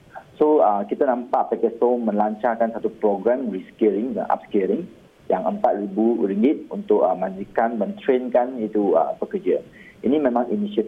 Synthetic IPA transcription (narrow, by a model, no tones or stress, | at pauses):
soəkit̪anãmpaʔpɛkɛt̪̚somə̃nlaɲt͡ʃakansat̪upɾɔɡɾɛmɹiskɛɾiŋə̰ʔa̰p̚skəɾiŋ | jaŋəmpat̪̚ɾibuɾiŋɡit̪̚unt̪ʊk̚əmãd͡ʒikanmə̃nt̪ɾenkanit̪uə̰pəkəd͡ʒəʔinĩmẽmãŋʔinisiət̪